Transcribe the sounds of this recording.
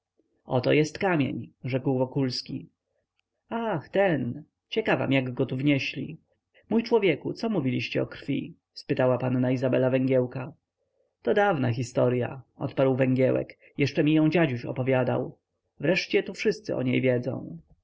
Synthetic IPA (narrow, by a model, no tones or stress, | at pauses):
ɔt̪ɔjɛst̪kamʲḛɲʐɛkwvɔkulskʲi | axt̪ɛn | t͡ɕɛkava̰mjaɡɡɔt̪uvɲɛɕlʲḭ | mujt͡ʂwɔvʲjɛkut̪sɔmuvʲilʲiɕt͡ɕɛɔkɾ̥fʲḭ | spɘt̪awapanːaizabɛlavɛŋɡʲjɛwka | t̪ɔd̪avnax̬ʲist̪ɔɾja̰ʔɔ̰t̪paɾwvɛŋɡʲjɛwɛ̰k | jɛʂt͡ʂɛmʲijɔ̃w̃d͡ʑad͡ʑuɕɔ̰pɔvʲjad̪a̰w | vɾɛʂt͡ɕɛt̪ufʂɘst̪sɘ̰ʔɔ̰ɲḛjvʲjɛd̪zɔ̰̃w̃